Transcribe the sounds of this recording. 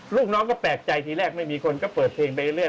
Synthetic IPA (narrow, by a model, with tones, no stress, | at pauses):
luː˥˩k̚nɔː˦˥ŋkɔː˥˩pɛː˨˩k̚t͡ɕa˧jt̪ʰiː˧ɾɛː˥˩k̚ma˥˩jmiː˧kʰo˧nkɔː˥˩pɤː˨˩t̪̚pʰeː˧ŋpa˧˦ɾɯ˥˩ə